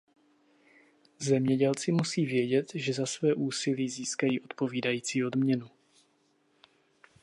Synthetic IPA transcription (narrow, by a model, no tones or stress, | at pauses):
zɛmɲɛɟɛlt͡sɪmusiːvjɛɟɛt̪ʒɛzasvɛːʔuːsɪliːziːskajiːʔo̞t̪po̞viːdajiːt͡siːo̞dmɲɛnu